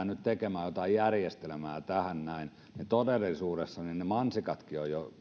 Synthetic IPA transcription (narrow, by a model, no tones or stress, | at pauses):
nyt̪t̪ekemæːjot̪ɑijjærjest̪elemæːt̪æhænnæin | net̪odelːisuːresːɑninnemɑnsikɑt̪kiojjo